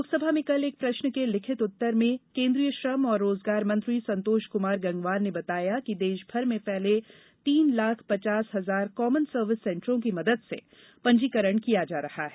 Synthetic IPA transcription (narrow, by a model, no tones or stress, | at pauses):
loːksəbʱamẽkɐleːk̚pɾɐʃnəkelɪkʰɪt̪ʊt̪ːəɾmẽkẽːnd̪ɾijəʃɾəmɔːɾːoːzɡaːɾmɐ̃nt̪ɾisɐ̃nt̪oːʃkʊmaːɾɡɐ̃ŋɡʋaːɾnebɐt̪aːjakid̪eːʃbʱɐɾmẽpɛɦle | t̪iːnlaːkʰpɐt͡ʃaːsɦɐzaːɾkɔːmənsəɾʋɪsːɛ̃ːɳʈɾõk̬imɐd̪əd̪sḛ | pɐ̃ɲd͡ʒiːkəɾəɳkijad͡ʒaːɾɐha̰ɦɛː